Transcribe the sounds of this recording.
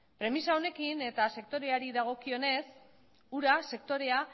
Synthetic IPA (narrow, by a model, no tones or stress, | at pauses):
pɾe̞misao̞ne̞kine̞t̪ase̞k̚t̪o̞ɾe̞aɾiðaɣ̞o̞kio̞ne̞s | uɾase̞kt̪o̞ɾe̞a